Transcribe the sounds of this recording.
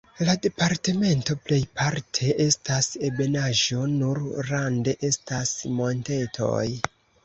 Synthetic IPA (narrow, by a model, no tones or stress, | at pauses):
lade̞paɾte̞me̞nto̞ple̞jpaɾtʰe̞ʔe̞stasebe̞naʒo̞nuɾɾande̞ʔe̞stasmo̞nte̞tʰo̞̰j